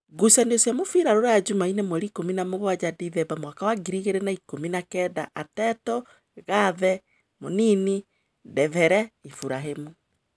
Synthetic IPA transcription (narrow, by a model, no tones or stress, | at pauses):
ɡusaneosjamofiɾaɾoɾajad͡ʒumainemwɛɾikominamoɣwad͡ʑadiðɛbamwakawaɡiɾiɣeɾenaikominakɛdaʔatɛtɔ | ɣaðɛ | monini | dɛðɛɾɛifuɾaɦemu